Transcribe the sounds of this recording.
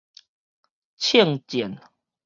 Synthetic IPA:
t͡ɕʰi˥˨ŋt͡ɕjɛ˨˦n

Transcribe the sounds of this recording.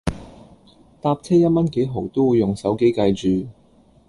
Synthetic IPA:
t̪aː˧p̚t͡sʰɛː˥jɐ˥t̚mɐ˥nke˨˥jɦo˨˩wt̪o˥wuː˨˧jːʊ˨˩ŋsɐ˨˥wke˨˥jkɐ˧jt͡ʃyː˨

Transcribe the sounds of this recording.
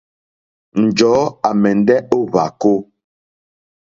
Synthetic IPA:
n̩˨d͡ʒɔː˨˦a˨mɛ˨n˦dɛ˦o˦βa̰˨ko˦

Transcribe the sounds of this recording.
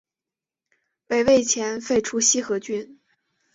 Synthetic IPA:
we˨˩ɪwe˥˩ɪt͡ɕʰjɛ˧˥nfe˥˧ɪʈ͡ʂʰu˥ɕi˥xɤ˧˥t͡ɕy˥n

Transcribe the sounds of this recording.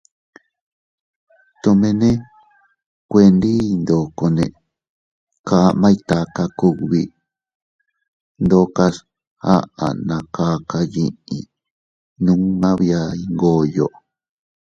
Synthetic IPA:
t̪o˧mẽ˧nẽ˦ | kʷe˧nd̪i˦˧nd̪o˨ko˧nẽ˧ | ka˧mã˦i˧t̪a˧ka˧ku˧kβi˧ | nd̪o˧ka˧s | ha̰˦ʔa̰˨nã˨˧ka˦˧ka˧jĩ˧ḭ̃˧ | nũ˦mã˦βi˧a˧i˧ŋɡo˦jo˨ʔ

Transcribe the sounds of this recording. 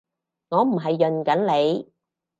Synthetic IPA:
ŋɔː˨˧m̩˨˩ɦɐ˨jːɵ˨nkɐ˨˥nle˨˧j

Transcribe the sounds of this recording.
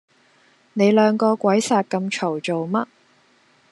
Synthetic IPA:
ne˨˧jlœː˨˧ŋkɔː˧kʷɐ˨˥jsaː˨t̚kɐ˧mt͡ʃʰo˨˩wt͡ʃo˨wmɐ˥t̚

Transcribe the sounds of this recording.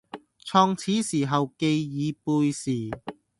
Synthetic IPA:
t͡sʰɔː˧ŋt͡sʰiː˨˥siː˨˩ɦɐ˨wke˧jjiː˨˧puː˧jsiː˨˩

